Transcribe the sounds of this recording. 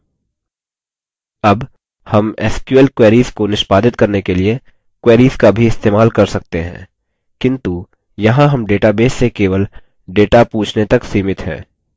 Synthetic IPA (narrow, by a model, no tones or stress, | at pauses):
ɐb | hɐmɛ̰ːskjuəlkweːɾiːzkonɪʃpaːd̪ɪt̪̚kɐɾnekelie | kweːɾiːzkabʱiɪst̪eːmaːlkɐɾsɐk̚t̪eɦɛ̰̃ː | kɪ̃nt̪u | jɐɦãɦɐmɖeːʈabeːsːekeːʋəl | ɖeːʈapuːt͡ʃʰnet̪ɐksiːmɪt̪ɦɛ̰ː